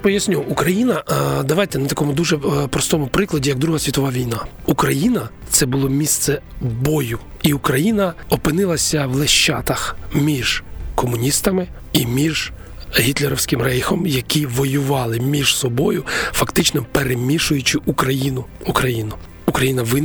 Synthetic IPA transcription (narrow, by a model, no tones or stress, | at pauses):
pɔjɐsʲnʲuukɾɐjinɐd̪ɐʋɑjt̪ɛnɐt̪ɐkɔmʊd̪uʒɛpɾɔst̪ɔmʊpɾɪklˠɐdʲijɐɡ̚d̪ɾuɦɐsʲʋʲit̪ɔʋɑʋʲijnɑukɾɐjinɐt̪sɛbʊlˠɔmʲist̪sɛbɔjʊ | iʊkɾɐjinɐɔpɪnɪlˠɐsʲɐʋlˠeʃt͡ʃːɑt̪ɐxmʲiʒ̥kɔmʊnʲist̪ɐmɪ | imʲiʒ̥ | ɦʲit̪lʲˠeɾɔwsʲkɪmrɛjxɔmjɐkʲʰiʋɔjʊʋɑlˠɪmʲiʒ̥sɔbɔjʊfɐkt̪ɪt͡ʃnɔpeɾemʲiʃʊjʊt͡ʃɪʔukɾɐjinʊukɾɐjinʊ | ukɾɐjinɐʋɪn